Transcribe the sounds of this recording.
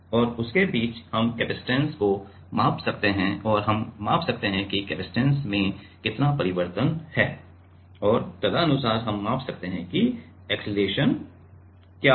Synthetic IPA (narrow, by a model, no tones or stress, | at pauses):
ɔːɾʊskebiːt͡ʃhɐmkɛːbɪsʈɛ̃ːnsko | maːpsɐk̚t̪eɦɛ̃ɔːɾɦɐmːaːpsɐk̚t̪eɦɛ̃kikɛːbɪsʈɛ̃ːnsmẽ | kɪt̪napɐɾɪʋəɾt̪ənhɛː | ɔːɾt̪ɐd̪aɐnʊsaːɾɦɐmːaːpsɐk̚t̪eɦɛ̃ki | ɛːksɪleːʃən | kjaː